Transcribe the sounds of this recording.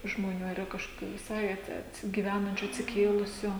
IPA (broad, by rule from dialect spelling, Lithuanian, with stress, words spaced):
ʒmoːˈnʲuː ɐr iːˈrɐ kɐʃkoːˈkʲuː ʋʲɪˈsɐɪ ɐt ɐtʲsʲɪ ɡʲiːˈʋʲæːnɐnʲt͡ʃʲʊ ɐtʲsʲɪˈkʲeːlˠʊsʲʊ